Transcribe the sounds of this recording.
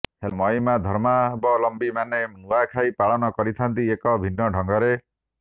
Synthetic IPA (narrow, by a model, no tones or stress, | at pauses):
helmɔjmad̪ʱɔɾmabɔlɔmbimanenuakʰajpaɭɔnɔkɔɾit̪ʰant̪iekɔbʱinːɔɖʱɔŋɡɔɾe